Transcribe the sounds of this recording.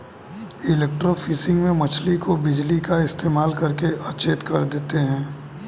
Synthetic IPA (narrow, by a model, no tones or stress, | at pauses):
ɪleːk̚ʈɾofʰiːsɪ̃ŋɡmẽmɐt͡ʃʰlikobɪd͡ʒlikaɪst̪eːmaːlkɐɾkeʔɐt͡ʃeːt̪kɐɾd̪eːt̪eɦɛ̃ː